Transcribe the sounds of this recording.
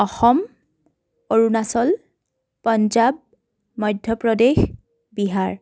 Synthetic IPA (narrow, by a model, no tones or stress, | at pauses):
ɔxɔm | oɹunasɔl | pɔnd͡ʒab̚ | mɔjdʱjɔpɹɔdex | biɦaɹ